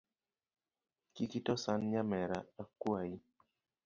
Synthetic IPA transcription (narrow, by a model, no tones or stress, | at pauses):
kikitɔsanɲamɛɾa̰akwai